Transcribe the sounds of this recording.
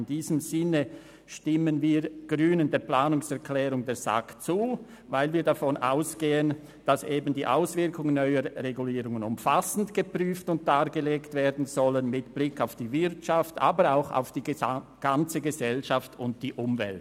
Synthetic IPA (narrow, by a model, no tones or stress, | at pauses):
ndiːzəmz̥ɪnə | ʃtɪmənviːɡ̥ʁyːnəndeːɐplaːnʊŋsɛɐkʰlɛːʁʊŋdeːɐz̥a̰kt͡suː | vaɪlviːɐdafɔnʔa̰ʊsɡ̥eːən | d̥asʔeːbn̩diːʔa̰ʊsv̥ɪʁkʊŋənːœʏəɾʁeɡuliːʁʊŋənʊmfasn̩tɡ̥əpʁyːftʊnt̚d̥aːʁɡəleːktv̥eːɐdn̩zɔlənmɪtb̥lɪkaʊfd̥iːvɪʁt͡ʃaftʔa̰ːbəɾa̰ʊxa̰ʊfd̥iːɡ̥ant͡səɡəzɛlʃaftʊnt̚d̥iːʔʊmvɛ̰lt